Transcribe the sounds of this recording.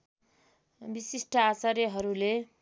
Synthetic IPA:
bisisʈʌasʌɾjeɦʌɾule

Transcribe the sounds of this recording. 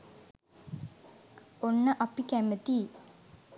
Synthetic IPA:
onːəʔapikæmət̪iː

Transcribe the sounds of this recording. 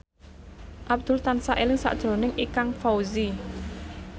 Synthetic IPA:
ʔab̚d̪̥ʊ̤lt̪ansaʔelɪŋsa̰ʔd̥ʒ̥ɾo̤nɪŋʔikaŋfawzi

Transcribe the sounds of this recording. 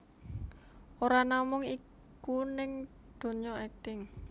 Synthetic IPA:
oɾanamʊŋi | kunɪŋ | d̪̥o̤ɲɔɛk̚t̪ɪŋ

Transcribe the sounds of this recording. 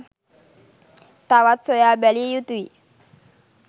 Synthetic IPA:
t̪awat̪sojabɛlijut̪i

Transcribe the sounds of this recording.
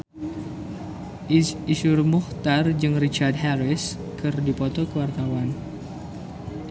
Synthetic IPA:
isurmuht̪ard͡ʒɨŋrit͡ʃard̪̚ɦɛɾɪs | kɨrdipot̪ɔkəwart̪awan

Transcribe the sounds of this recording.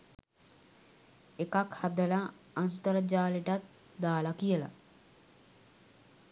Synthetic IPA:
ekakhad̪əla | ansut̪əɾəd͡ʒaːleʈat̪̚ | d̪aːlakijəla̰

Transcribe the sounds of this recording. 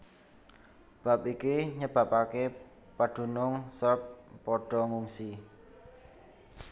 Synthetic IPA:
b̥a̤p̚ikiɲəb̥ä̤pake | paɖ̥ṳnʊŋsərpːɔɖ̥ɔ̤ŋuŋsi

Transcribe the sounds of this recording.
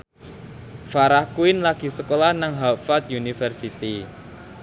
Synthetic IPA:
faɾahkuɪnlaɡ̥i̤səkolahnaŋɦafat̪̚junifərsit̪i

